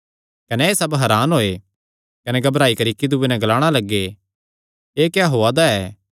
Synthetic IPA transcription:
kɐnɛeːsɐbɦɐɾaːnɦoːe | kɐnɛɡɐbɾaːikɐɾikid̪uːenɛ̃ɡlaːɽ̃alɐɡːe | eːkjaɦoːad̪aɛː

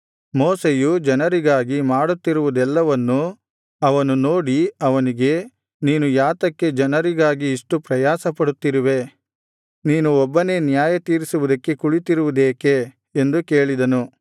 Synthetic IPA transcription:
moːsejud͡ʒɐnɐɾiɡaːɡimaːɽut̪ːiɾuʋud̪ɛlːɐʋɐnːu | ɐʋɐnunoːɽiɐʋɐniɡe̞ | niːnujaːt̪ɐkːe̞d͡ʒɐnɐɾiɡaːɡiːʂʈupɾɐjaːsɐpɐɽut̪ːiɾiʋe̞ | niːnuɔbːɐne̞ːnjaːjɐt̪iːɾisuʋud̪ɐkːe̞kuɭit̪iɾuʋud̪eːke̞ː | nd̪uke̞ːɭid̪ɐnu

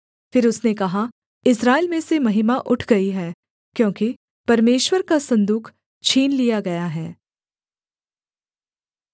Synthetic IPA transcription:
fɪɾʊsnekɐɦa | ɪsɾaːɪlmẽsemɐɦɪmaʔʊʈʰɡɐiɦɛː | kjõːki | pɐɾmeːʃwəɾkasɐ̃nd̪uːkʰ | t͡ʃʰiːnlijaɡɐjaɦɛː

